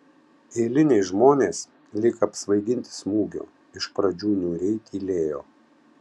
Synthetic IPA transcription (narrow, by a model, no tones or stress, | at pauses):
eːlʲɪnʲeːsʒmoːnʲeːs | lʲɪkɐːpsʋɐɪɡ̪ʲɪnʲt̪ʲɪ̥smuːɡʲo̰ | ɪʃpɾɐd͡ʒʲuːnʲuːɾʲɛɪt̪ʲiːlʲeːjo̰ː